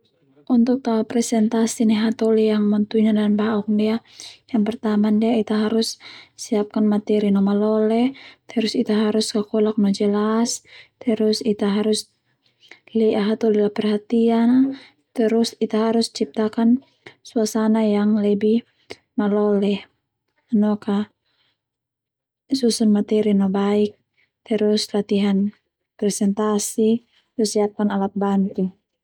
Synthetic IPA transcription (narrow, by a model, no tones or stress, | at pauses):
ʔunt̪ʊk̚t̪aapɾɛsɛnt̪asiniɦat̪ɔlijaŋmɔnt̪uɲadanbaɦɔkndiajaŋpɛrt̪amandiait̪aɦaɾʊssiap̚kanmat̪ɛɾinɔmalɔlɛht̪əɾʊsit̪aɦaɾuskakɔlak̚nɔd͡ʒəlast̪əɾʊsit̪aɦaɾus | lɛʔaɦat̪ɔlilapɛrhat̪ian | t̪əɾusit̪aɦaɾust͡ʃip̚t̪akan | suasanajaŋlɛbih | malɔlɛh | nɔka | susunmat̪ɛɾinɔbaik̚ | t̪əɾuslat̪iɦan | pɾɛsɛnt̪asi | usiap̚kanalat̪̚bant̪i